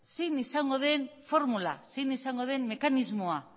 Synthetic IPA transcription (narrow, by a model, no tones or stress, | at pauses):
sinisaŋɡo̞ðe̞nfo̞ɾmula̰sinisaŋɡo̞ðe̞nme̞kanizmoa